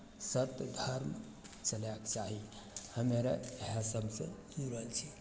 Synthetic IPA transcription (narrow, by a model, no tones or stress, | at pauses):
sət̪d̪ʱəɾm | t͡ʃəlakt͡ʃaɦi | həmeɾaeɦasəbsə̰̃d͡ʒuɾlt͡ʃʰi